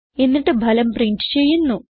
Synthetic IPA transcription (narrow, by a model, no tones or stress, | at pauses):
enːiʈːɨbʱɐlɐmpriɳʈt͡ɕe̞jːunːu